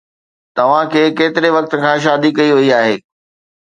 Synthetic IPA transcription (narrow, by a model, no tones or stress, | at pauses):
t̪ɐʋ̤ãkʰeːkeːt̪ɪɾeʋɐk̚t̪ə̆kʰãːʃ̬aːd̪ikɐiɦoiaːɦeː